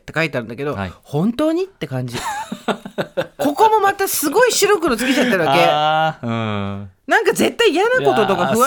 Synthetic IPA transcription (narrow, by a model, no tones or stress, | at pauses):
t̪ːe̞kait̪eaɾɯ̟nd̪a̰keo̞hõ̞nt̪o̞ːɲ̟it̪ːe̞kãɲ̟d͡ʑi | ko̞ko̞mo̞mat̪asɨɡo̞iɕiɾokɯɾot͡sɨ̥ket͡ɕat̪ːeɾɯ̟aake̞ | nãŋkaze̞t̪ːaijanako̞t̪o̞t̪o̞kaɸɯ̟β